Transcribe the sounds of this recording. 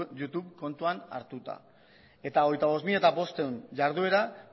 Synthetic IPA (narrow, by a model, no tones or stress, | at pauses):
jut̪uβko̞nt̪uana̰ɾt̪ut̪a̰ | e̞t̪aoɣ̞ejt̪aβo̞smiʎat̪aβo̞st̪e̞unʝaɾðue̞ɾa